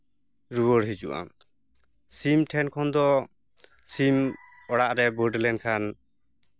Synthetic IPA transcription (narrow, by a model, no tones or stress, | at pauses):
ɾuwɔɽɦid͡ʒṵʔa̰ | simʈʰɛnkʰɔnd̪ɔ | sim | ɔɽaʔɾɛbɔɖlɛnkʰan